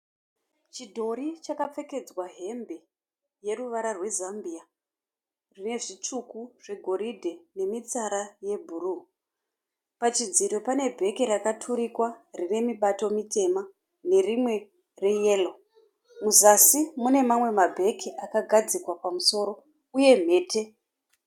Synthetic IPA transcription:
t͡ʃidʱo̞ɾit͡ʃakap͡fe̞ke̞d͡zwaɦe̞mbe̞ | je̞ruʋaɾarwe̞zambia | rine̞ʐit͡ʂukuʐe̞ɡʱo̞ɾidʱe̞ne̞mit͡saɾaje̞bʱuru | pat͡ʃid͡ziɾopane̞bʱe̞kiɾakatʰuɾikwarine̞miɓato̞mitʰe̞ma | ne̞rimwe̞ | re̞je̞ːlo | muzasimune̞mamwe̞mabʱe̞kʰiakaɡʱad͡zikwapamuso̞ɾo̞ | uje̞m̤e̞ːtʰe̞

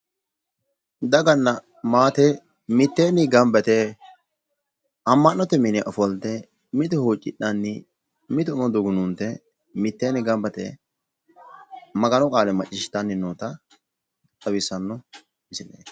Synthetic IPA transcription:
d̪ɐɡɐnːɐ | maːt̪ɛ | mɪt̪ːeːnɪɡɐmbɛt̪ɛ | ɐmːɐnːɔt̪ɛmɪnɛʔɔfɔld̪ɛ | mɪt̪ɛhuːt͡ʃʼːɪɗɐnːɪ | mɪt̪ʊmɔd̪ʊɡʊnunt̪ːɛ | mɪt̪ːeːnɪɡɐmbɛt̪ɛ̰ | mɐɡɐnɔkʼaːlɛmɐt͡ʃʼːɪʃɪ̥t̪ːɐnːɪnoːt̪ɐ | t̪ɐwɪsːɐnːɔ | ɪsɪnḛːs

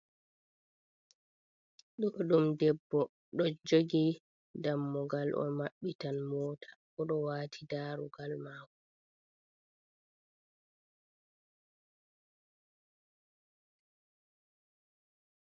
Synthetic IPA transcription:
ɗɔɗumdɛbːɔ | ɗɔd͡ʒoɡi | damːɔɡalʔɔ̰maɓːitanmɔːtʰḁ | ɔɗɔwaːtʰidaːɾuɡalmaːkɔ

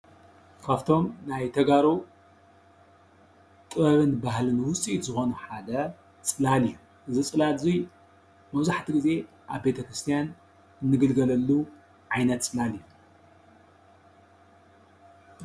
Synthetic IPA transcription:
kʰaft̪ʰo̞mnajt̪ʰɐɡaɾu | t̪ʼɨβɐβɨnbaɦlɨnwʊt͡sʼit̪zɨxo̞nuħad̪ɐ | t͡sʼɨlalɨjːu | ʔɨzɨt͡sʼɨlalzij | mɐβzaħt̪ʰiɡɨze̞ | ʔaβbet̪ʰɐkɾɨst̪ʰijan | ɨnːɨɡɨlɡɐlɐlːu | ʕajnɐt̪t͡sʼɨlalijːu

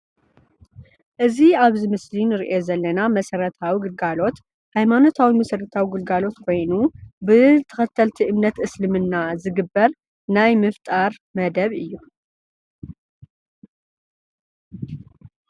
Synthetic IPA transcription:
ʔɨziaβzɨmɨslinɨɾiʔo̞zɐlːɐnamɐsɐɾɐt̪ʰawiɡɨlɡalo̞t̪ | hajmano̞t̪ʰawimɐsɨɾɨt̪ʰawiɡɨlɡalo̞t̪kʰo̞jnubɨt̪ʰɐ̥xɐt̪ʰːɐlt̪ʰiʔɨmnɐt̪ʔɨslɨmɨnːazɨɡɨbːɐɾ | najmɨft̪ʼaɾmɐd̪ɐβɨjːu

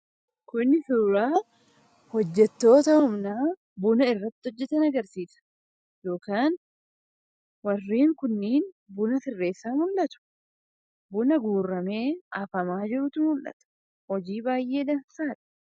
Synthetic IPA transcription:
kʊnːɪsuːɾaː | hɔd͡ʒːɛt̪ːo̞ːt̪ɐhʊmnaː | bʊnɐɪrːɐt̪ːɪɔd͡ʒːɛt̪ɐnɐɡɐɾsiːsɐ̥ | jo̞ːkaːn | wɐrːiːŋkʊnːiːn | bʊnɐsɪrːe̞ːsːaːmʊlʔɐt̪ʊ̥ | bʊnɐɡuːrːɐme̞ːʔɐfɐmaːd͡ʒɪɾʊt̪ʊnmʊlʔɐ̰t̪ɐ̥ | hɔd͡ʒiːbaːjʔe̞ːd̪ɐnsaːᶑɐ̥

